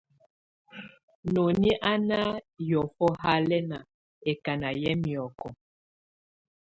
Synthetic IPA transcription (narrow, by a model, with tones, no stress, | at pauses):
no˨ni˦ʔa˦na˦jɔ˨fɔ˦ha˦lɛ˦na˨ | e˨ka˨na˨jɛ˦mjɔ˨kɔ˨